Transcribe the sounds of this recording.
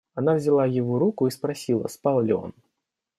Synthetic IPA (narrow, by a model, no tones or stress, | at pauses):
anavzʲɪlˠajɪvɔɾukʊispɾasʲilˠə̰spalˠlʲɪɔ̰n